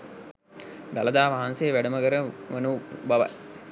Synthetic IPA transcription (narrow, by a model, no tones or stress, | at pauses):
d̪aləd̪aːʋaɦanseːʋæɖəməkəɾəʋənubaʋa̰j